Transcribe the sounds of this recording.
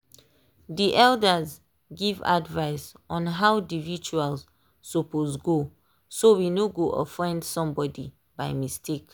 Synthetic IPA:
diʔɛldəz | ɡiva̰dvaɪs | ɔ̃nɦawdivit͡ʃualsː | ɔposɡo | sowinoɡoʔɔ̰fɹɛ̃ndsɔ̃mbɔdi | baɪmistʰek

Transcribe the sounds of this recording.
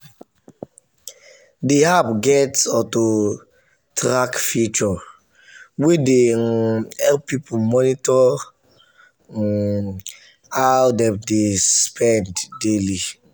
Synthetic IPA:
dehapɡɛtsɔto | tɾakfut͡ʃɔ | wede | hɛlpːipʰumɔnitɔ | awdɛ̃mdespʰɛ̃nddeli

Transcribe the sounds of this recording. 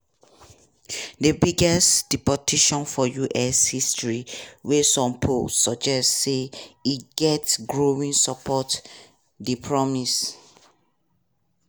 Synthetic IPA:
dəbiɡɛstd̥ipɔtʰiʃɔ̃nfɔjuʔɛshistɹiwesɔ̃mpʰolsɔd͡ʒɛstseiɡɛtsɡɹowĩnsɔpʰɔt | dipʰɹɔmis

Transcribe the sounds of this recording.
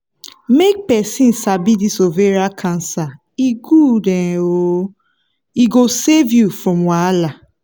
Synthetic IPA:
mek̚pɛsĩnsabidisoveɾakʰãnsa | iɡudɛ̃o | iɡosevjufɾɔ̃mwala

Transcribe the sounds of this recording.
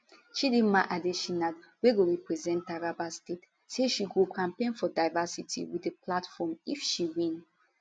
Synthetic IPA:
ʃidimaʔadeʃinadweɡoɹipɹɛzɛ̃ntaɹabastet | seʃiɡokʰãmpẽnfɔdaɪvasitʰḭwiəpʰlatfɔmifʃiwĩn

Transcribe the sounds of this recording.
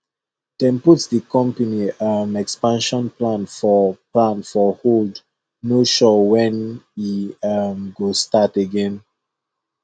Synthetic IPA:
d̥ɛ̃nputsdikɔ̃mpəniamɛkspãnʃɔ̃nplãnfɔplãnfɔhod | noʃɔwɛ̃niamɡostateɡɛ̃n

